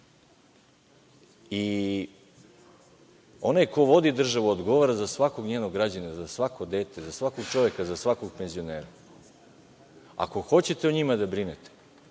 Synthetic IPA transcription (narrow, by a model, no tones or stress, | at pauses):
i | o̞najko̞ʋo̞d̪id̪r̩ʒaʋuod̪ɡo̞ʋaɾazasʋako̞ɡɲeːno̞ɡɡɾad͡ʑanazasʋako̞d̪e̞ːt̪e̞zasʋakoɡ̚t͡ʃo̞ʋje̞kazasʋako̞ɡpe̞nzio̞neːɾa | a̰ko̞xo̞t͡ɕe̞t̪eoɲimad̪abɾinet̪e̥